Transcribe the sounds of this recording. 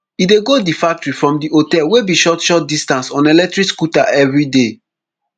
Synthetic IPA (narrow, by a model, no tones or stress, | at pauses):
ideɡodifak̚tɹifɹɔ̃mdiʔotɛlwebiʃɔtʃɔt̚distãnsɔ̃nelɛk̚tɹikskutaʔɛvɹide